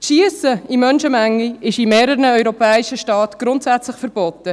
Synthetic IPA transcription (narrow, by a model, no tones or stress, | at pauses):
tʃiəsəimœnʃəmæŋːiɪʃimeːɾəɾnəœɥɾɔpɛːɪʃəʃtɑːt̪ɡ̥ɾʊntsætt͡slɪχfəɾb̥ɔtə